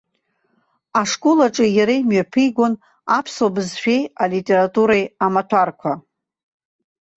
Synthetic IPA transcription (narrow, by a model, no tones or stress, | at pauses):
aʂkʼolaʈ͡ʂʼɨjaɾejmɥapʰɨjɡʷon | apʰsobɨzʃᶣejalitʼe̞ɾatʼuɾajamatʷʰarkʷʰa